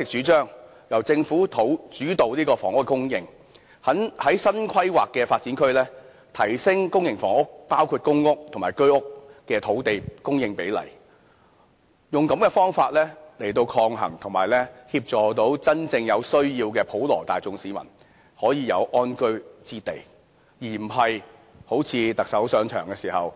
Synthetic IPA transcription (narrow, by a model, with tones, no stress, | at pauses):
sɪ˨k̚t͡ʃyː˨˥t͡ʃœː˥ŋ | jɐ˨˩wt͡sɪ˧ŋfuː˨˥t̪ʰo˨˥wt͡ʃyː˨˥t̪o˨wliː˥kɔː˧fɔː˨˩ŋʊ˥kːkʊ˥ŋjɪ˧ŋ | hɐ˨˥nhɐ˨˥jsɐ˥nkʰwɐ˥jwaː˨kːɛː˧faː˧t̚t͡siː˨˥nkʰɵ˥ɥlɛː˥ | t̪ʰɐ˨˩jsɪ˥ŋkʊ˥ŋjɪ˨˩ŋfɔ̰ː˨˩ŋʊ˥k̚paː˥wkʰuː˧t̚kʊ˥ŋʊ˥k̚t̪ʰŋmaː˨˩jkɵ˥ɥʊ˥k̚ːɛː˧t̪ʰo˨˥wt̪e˨jkʊ˥ŋjɪ˧ŋpe˨˥jlɐ̰˨˩j | jʊ˨ŋkɐ˨˥mkɛː˧fɔː˥ŋfaː˧t̚lɛː˥le˨˩jt̪o˧wkʰɔː˧ŋɦɐ̰˨˩ŋt̪ʰʊ˨˩ŋmaː˨jlɛː˥hiː˧p̚t͡sɔː˨t̪o˨˥wt͡sɐ˥nt͡sɪ˧ŋjɐ˨˧wsɵ˥ɥjiː˧wkɛː˧pʰo˨˥wlɔ̰ː˨˩t̪a̰ː˨jt͡sʊ˧ŋsiː˨˥mɐ̰˨˩n | hɔː˨˥jiː˨˧jɐ˨˧wʔɔː˥nkɵ˥ɥt͡siː˧t̪e˨j | jiː˨˩m̩˨˩ɦɐ˨j | ho˨˥wt͡sʰiː˨˧t̪ɐ˨k̚sɐ˨˥wsœː˨˧ŋt͡ʃʰœː˨˩ŋkɛː˧siː˨˩hɐ˨w